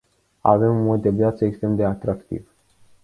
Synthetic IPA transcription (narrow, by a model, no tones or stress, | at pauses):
a̰ve̞mumod̪ebliat̪səekst̪ɾe̞md̪e̞at̪ɾakt̪ḭv